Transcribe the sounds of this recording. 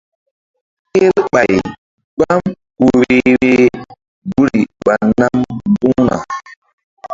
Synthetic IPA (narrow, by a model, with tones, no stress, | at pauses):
ke˦ɾɓa˨j | ɡ͡ba˦m | ku˨ɾi˨ɾe˦ | bu˦ɾi˨ɓa˨na˦mbu˦na̰˨